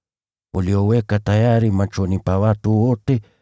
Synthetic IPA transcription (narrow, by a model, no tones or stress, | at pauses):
oliowekatajaɾimat͡ʃonipawatuote